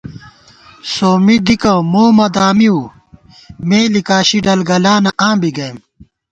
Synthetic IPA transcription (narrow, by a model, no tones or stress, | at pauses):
soːmid̪ikɐ̃moːmɐd̪aːmiu | meːlikaːɕiɖɐlɡɐlaːnɐʔãːbiɡɐjm